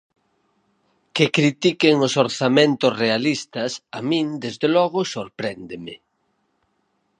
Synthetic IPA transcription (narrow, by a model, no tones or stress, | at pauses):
kekɾit̪ikeŋosoɾθamẽnt̪ʊsrealist̪ɐsamĩnd̪ezðelɔɣʊsoɾpɾɛnd̪emɪ